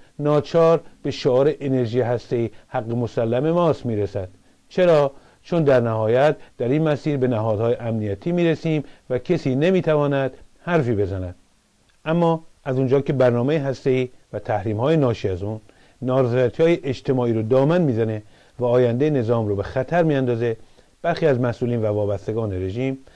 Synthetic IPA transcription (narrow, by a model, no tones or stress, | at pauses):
nɒːt͡ʃʰɒːɾb̥e̞ʃoɒːɾe̞ʔene̞ɾʒiːjeɦæst̪e̞iːhæɡːemosælːæme̞mɒːst̪miːɾesæd̪̥ | t͡ʃʰe̞ɾɒː | t͡ʃʰond̪æɾnæhɒːjæt̪̚d̪̥æɾiːnmæsiːɾbe̞næɦɒːd̪̥hɒːje̞ʔæmnijæt̪ʰiːmiːɾesiːmvæcʰesiːnemiːt̪ʰævɒːnæd̪̥hæɾfiːbe̞zænæd̪̥ | ʔæmːɒːʔæzund͡ʒɒːke̞bæɾnɒːme̞jeɦæst̪e̞iːvæt̪ʰæhɾiːmhɒːjenɒːʃiːæzunː | ɒːɾzɾæt̪ʰhɒːjeʔed͡ʒt̪ʰe̞mɒːiːɾod̪ɒːmænmiːzæne̞ | væɒːjænd̪eene̞zɒːmɾobe̞xæt̪ʰæɾmiːænd̪ɒːze̞ | b̥æɾxiːæzmæsʔuːliːnvævɒːbæst̪e̞ɡɒːne̞ɾe̞ʒiːm